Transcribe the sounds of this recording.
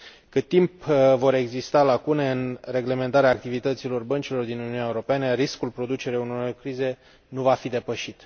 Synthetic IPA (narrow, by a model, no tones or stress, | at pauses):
kɨt̪ːimpvo̞ɾe̞ɡzist̪alakune̞ɨnre̞ɡle̞me̞nt̪aɾeaːk̚t̪ivit̪ət̪silo̞rbənt͡ʃilo̞rd̪inununʲaeuɾo̞penəriskulpɾo̞d̪ut͡ʃe̞ɾeunoɾorkɾize̞ | nuvafid̪e̞pəʃit̪